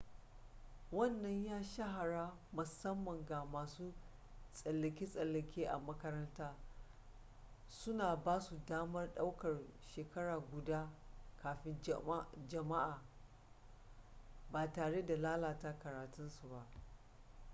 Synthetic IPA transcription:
wɐ˦˨nːɐ˦ɲjaː˦ʃɐ˦ɦa˨ɽaː˦ | mʊ˨sɐ˦mːɐ˨ŋɡa˨maː˨suː˦ | sʼɐ˨lːɐ˨kʲiː˦sʼɐ˨lːɐ˨kʲeː˦ʔa˨mɐ˦kɐ˦ɾɐ˦ntaː˦ | sʊ˦naː˨baː˦su˨daː˦mɐ˦rɗa˦wkɐ˨rʃeː˨kɐ˦ɽaː˨ɡʷʊ˨daː˦kʰaː˨ɸɪ˦nd͡ʒɐ˨ma˦ʔaː˨ | baː˨taː˨ɽe˦da˨laː˦laː˨ta˦kɐ˨ɾaː˨tʊ˦nsu˨ba˦ʔ

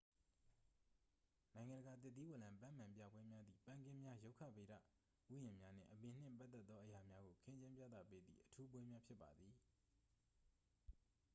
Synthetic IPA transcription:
nã˨ɪ̃ŋã˨ndəɡa˨t̪ɪ˦t̪ːi˦wɛ˨lã˨mpã˦˨mã˨mpja̰˦˨bwɛ˦mja˦d̪ðḭ˦˨pã˦˨ŋkɪ̃˦mja˦jo˦ʊkʰä̰˦˨be˨ɾä̰˦˨ | ʔu˦jɪ̃˨mja˦n̥ɪ̰̃˦˨ʔəbɪ̃˨n̥ɪ̰̃˦˨mpa˦t̪ːɛ˦t̪ːɔ˦ʔəja˨mja˦ɡo˨kʰɪ̃˦ɲt͡ɕɪ̃˦mpja̰˦˨t̪ä̰˦˨pe˦d̪ðḭ˦˨ʔətʰu˦bwɛ˦mja˦pʰjɪ˦pːa˨d̪ði˨

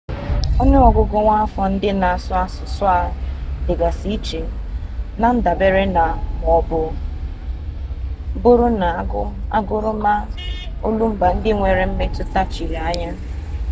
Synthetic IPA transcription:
o˦ne˦ɔ˨ɡʊ˨ɡo˦ŋʷa˦a˦fɔ˨n̩˦dɪ˦na˨a˨sʊ˦a˦sʊ˨sʊ˦a˦˨dɪ˨ɡa˨si˦t͡ʃe˨ | na˨n̩˦da˨be˦ɾe˦na˨ŋʷ˨ɔ˦bʊ˦ | bʊ˦ɾʊ˦na˨˦a˦ɡʊ˦ɾʊ˦ma˦ | o˦lu˦m̩˦ba˨n̩˦dɪ˦ŋʷe˨ɾe˨m̩˦me˦tʊ˦ta˦t͡ʃi˨ɾi˨a˦ɲa˦

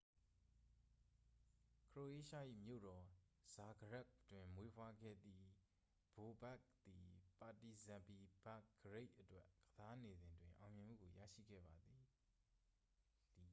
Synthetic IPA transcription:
kʰɹo˨ʔe˦˨ʃa˦˨ʔḭ˦˨mjo̰˦˨ɾɔ˨z̥a˨ɡəɹa˦ktwɪ̃˨mwe˦pʰwa˦ɡɛ̰˦˨d̪ði˦ | b̥o˨bɛ˦k̚t̪i˨pa˨ti˨zã˨mpi˨ba˦˨kɡəɹe˦ɪʔətwɛ˦ʔɡəza˦ne˨zɪ̃˨ndwɪ̃˨ʔã˨ʊ̃mjɪ̃˨m̥ṵ˦˨ɡo˨jä̰˦˨ʃḭ˦˨ɡɛ̰˦˨ba˨d̪i˨ | di˨

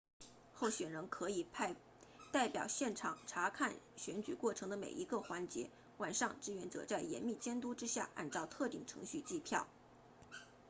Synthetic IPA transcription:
xo˥˩ʊɕɥɛ˨˩nɻə˧˥nkʰɤ˧˥i˨˩pʰ | t̪a˥˩ɪpjɑ˨˩ʊɕjɛ˥˩nʈ͡ʂʰɑ˨˩ŋʈ͡ʂʰa˧˥kʰa˥˩nɕɥɛ˧˥nt͡ɕy̰˨˩kwɔ˥˩ʈ͡ʂʰɤ˧˥ŋd̪ə˧mḛ˨˩ɪʔi˧˥ɡə˧xwa˧˥nt͡ɕjɛ̰˧˥ | wa˨˩nʂɑ˥˧ŋʈ͡ʂɻ̩˥˩ɥɛ˧˥nʈ͡ʂɤ̰˨˩t͡sa˥˩ɪjɛ̰˧˥nmi˥˩t͡ɕjɛ˥nt̪u˥ʈ͡ʂɻ̩˥ɕja̰˥˩a̰˥˧nʈ͡ʂɑ˥˧ʊt̪ʰɤ˥˧t̪i˥˩ŋʈ͡ʂʰɤ̰˧˥ŋɕy˥˧t͡ɕi˥˧pʰjɑ˥˩ʊ

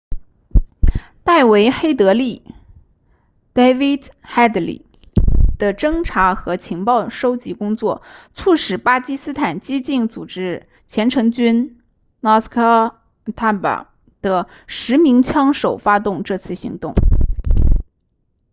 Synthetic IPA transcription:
t̪a˥˩ɪwe˧˥ɪxe˥ɪt̪ɤ˧˥li˥˩ | t̪e˥ɪfi˥˩d̪ | xa˥˩d̪lḭ˨˩ | d̪̥ə˨ʈ͡ʂɤ˥ŋʈ͡ʂʰa˧˥xɤ˧˥t͡ɕʰi˧˥ŋpɑ˥˩ʊʂo˥ʊt͡ɕi˧˥kʊ˥ŋt͡swɔ˥˩t͡sʰu˥˩ʂɻ̩˨˩pa˥t͡ɕi˥sɹ̩˥t̪ʰa˨˩nt͡ɕi˥t͡ɕi˥˩nt͡su˨˩ʈ͡ʂɻ̩˥ | t͡ɕʰjɛ˧˥nʈ͡ʂʰɤ˧˥ŋt͡ɕy˥n | na˥˩skʰa˥ | t̪ʰa˥˩pa̰˨˩ | d̪̥ə˩ | ʂɻ̩˧˥mi˧˥ŋt͡ɕʰjɑ˥ŋʂo˨˩ʊfa˥t̪ʊ˥˧ŋʈ͡ʂɤ˥˧t͡sʰɹ̩˥˩ɕḭ˧˥ŋt̪ʊ˥˩ŋ

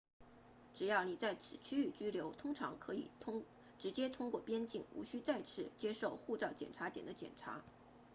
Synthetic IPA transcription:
ʈ͡ʂɻ̩˨˩jɑ˥˩ʊni˨˩t͡sa˥˩ɪt͡s̩ʰ˨˩t͡ɕʰy˥y˥˩t͡ɕy˥ljo˧˥ʊt̪ʰʊ˥ŋʈ͡ʂʰɑ̰˧˥ŋkʰɤ˧˥ḭ˨˩˥ | ʈ͡ʂɻ̩˧˥t͡ɕjɛ˥t̪ʰʊ˥ŋkwɔ˥˩pjɛ˥nt͡ɕi˥˩ŋṵ˧˥ɕy˥t͡sa˥˧ɪt͡sʰɻ̩˥˩t͡ɕjɛ˥ʂo˥˧ʊxu˥˧t͡sɑ˥˩ʊt͡ɕjɛ̰˨˩nʈ͡ʂʰa˧˥t̪jɛ˨˩nd̪ə˦t͡ɕjɛ̰˨˩nʈ͡ʂʰa̰˧˥

